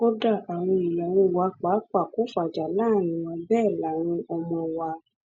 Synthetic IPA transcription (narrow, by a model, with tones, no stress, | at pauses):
ko˦da˦˨a˨w̃ɔ̃˧i˨jɛ˨w̃ɔ̃˧wa˧k͡pa˨˦k͡pa˨ko˨˦fa˨d͡ʒa˨la˦˨nĩ˨wɔ̃˧bɛː˦˨la˨˦ɾ̃ĩ˧ɔ˧mɔ̃˧wa˧